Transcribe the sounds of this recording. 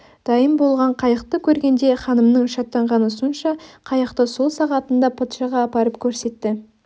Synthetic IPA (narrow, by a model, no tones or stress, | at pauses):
d̪̥ɑjəmbo̞lˠʁɑɴqʰɑjəqt̪əkʲʰɵɾɡʲe̞nd̪e̞χɑnəmnəɴʃɑt̪ːɑɴʁɑnʊsunʃɑqʰɑjɑqt̪əso̞lˠsɑʁɑt̪ənd̪ɑpʰot̪ʃɑʁɑːpɑɾəpkʲʰɵɾse̞t̪ːɪ